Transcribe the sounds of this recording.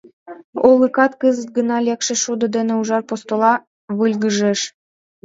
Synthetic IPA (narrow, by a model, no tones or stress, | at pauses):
olˠəkɑt̪kəzə̆t̪̚ɡə̆nɑlʲekʃĕʃud̪ŏd̪ĕnĕuʒɑrpost̪olɑ | βɯlʲɣəʒeʃ